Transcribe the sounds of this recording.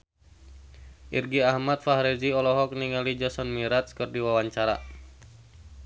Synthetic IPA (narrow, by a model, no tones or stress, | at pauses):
ʔirɡiahmat̪̚faɦɾɛziɔlɔɦɔk̚niŋalid͡ʒɔsɔnmiɾat̪̚skɨrdiwawaɲt͡ʃaɾa̰